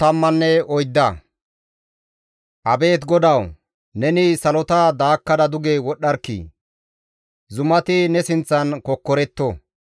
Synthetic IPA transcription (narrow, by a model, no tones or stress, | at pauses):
t̪ɐmːɐnːɛɔjd̪ːɐ | ʔɐbe̞ːt̪ɡɔd̪ɐw | nɛnɪsɐlɔt̪ɐd̪aːkːɐd̪ɐd̪ʊɡewɔɗːɐɾkːḭ | zʊmɐt̪ɪnɛsɪnt͡sːɐnkɔkːɔɾɛt̪ːɔ